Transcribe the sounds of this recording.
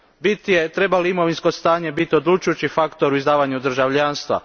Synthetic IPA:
bit̪ije̞t̪ɾe̞baliimo̞ʋinsko̞st̪aːɲe̞bit̪io̞d̪lˠut͡ʃujut͡ɕifakt̪o̞ɾuizd̪aːʋaɲud̪ɾ̩ʒaʋʎaːnst̪ʋa̰

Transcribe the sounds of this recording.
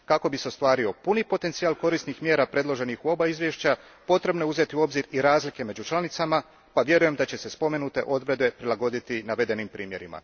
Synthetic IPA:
kako̞bise̞ost̪ʋaːɾio̞punipo̞t̪e̞nt̪sijaːlko̞ɾist̪nixmjeːɾapɾe̞d̪lo̞ʒe̞nixuo̞baizʋjeʃt͡ɕa | po̞t̪ɾe̞bno̞uze̞t̪iuo̞bziɾiɾaːzlike̞me̞d͡ʑut͡ʃlˠanit̪sama | paʋje̞ɾuje̞md̪at͡ɕe̞se̞spo̞me̞nut̪e̞̰ʔo̞d̪ʋɾe̞d̪e̞pɾilˠaɡo̞d̪it̪inaʋe̞d̪e̞nimpɾiːmje̞ɾḭma̰

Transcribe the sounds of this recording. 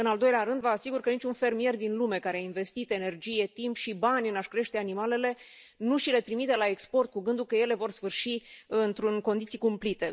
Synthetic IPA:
ɨnald̪o̞jleaɾɨnd̪vəasiɡurkənit͡ʃʲunfe̞rmije̞rd̪inlume̞kaɾeainve̞st̪it̪e̞ne̞rd͡ʒije̞t̪impʃibanʲɨnaʃkɾe̞ʃt̪e̞animale̞le̞nuʃile̞t̪ɾimit̪elae̞kspo̞rt̪̚kuɡɨnd̪ukəje̞le̞vo̞rsfɨrʃiɨnt̪ɾunko̞nd̪it̪sijkumplit̪e̞

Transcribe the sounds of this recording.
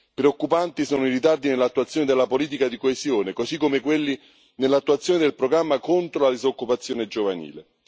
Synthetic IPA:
pɾeokːupant̪isɔːnoiɾit̪ard̪inelːat̪ːuat̪sːjoːned̪elːapoliːt̪̬ikad̪ikoezjoːnekosikːomekwelːi | nelːat̪ːuat̪sːjoːned̪elpɾoɡɾamːakont̪ɾolad̪izokːupat̪sːjoːned͡ʒovanḭːle

